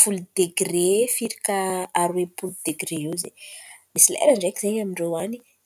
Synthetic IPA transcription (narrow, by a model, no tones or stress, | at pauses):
fuld̪eɡrefiɾikaaɾwepuld̪eɡreiwzemisilḛɾaɳɖ͡ʐekizeɲamiɳɖ͡ʐewani